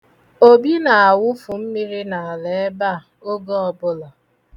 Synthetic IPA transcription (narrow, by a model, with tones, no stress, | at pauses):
o˦bi˦na˨a˨wʊ˦fʊ˨m̩˦mi˦ɾi˦na˨a˨le˨˦ba˦˨ | o˦ɡo˦ɔ˨bʊ˦la˨